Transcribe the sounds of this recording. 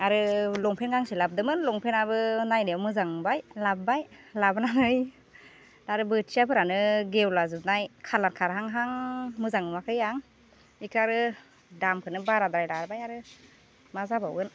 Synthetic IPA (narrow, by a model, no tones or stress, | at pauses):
aɾɯlɔŋpʰenɡaŋselab̚dɯmɯnlɔŋpʰenabɯnajneawmɯzaŋbajlab̚bajlabnanɯj | aɾɯbɯtsiapʰɯɾanɯɡewlazɯb̚najkʰalaɾ̚kʰaɾɦaŋɦaŋmɯzaŋmakʰɯjaŋ | ikʰaɾɯ | dampʰɯnɯbaɾadɾajlaɾbajaɾɯ | mazaba̰wɯn